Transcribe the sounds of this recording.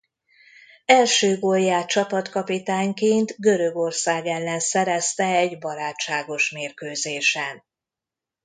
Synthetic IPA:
ɛlʃøːɡojːaːt͡ʃɒpɒt̪kɒpit̪aːɲkeːnt̪ɡø̞ɾø̞ɡo̞rsaːɡɛlːɛnsɛɾɛst̪ɛɛɟbɒɾaːt͡ʃːaːɡo̞ʃmeːrkøːzeːʃɛn

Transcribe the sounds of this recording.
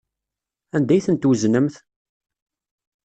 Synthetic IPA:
ænd̪æjθənt̪wznəmθ

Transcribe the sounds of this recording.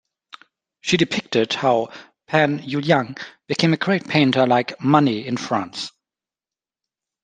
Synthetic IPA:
ʃidɨpʰɪk̚tɪd̥̚haʊ | pʰæ̃njuljãŋb̥ɨkʰẽɪ̃mɨɡɹeɪt̚pʰẽɪ̃ntʰə˞laɪkmʌniɪ̃nfɹæ̃ns

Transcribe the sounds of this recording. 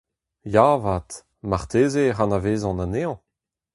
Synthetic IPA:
javaːt̪ | maʁt̪eːzeʁanaveːzɑ̃naneːɑ̃

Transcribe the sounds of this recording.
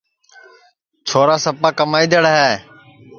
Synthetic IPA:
t͡ʃʰoːɾaːsəpaːkəmaːiːd̪əɽɦeː

